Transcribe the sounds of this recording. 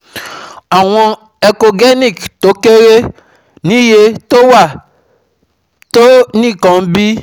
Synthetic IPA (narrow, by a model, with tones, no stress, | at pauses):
a˨w̃ɔ̃˦ | e˨ko˨ɡe˦ni˨kto˨˦ke˦ɾe˦ | nĩ˦je˦to˦wa˦˨ | to˦nĩ˦˨kɔ̃˨m˦bi˦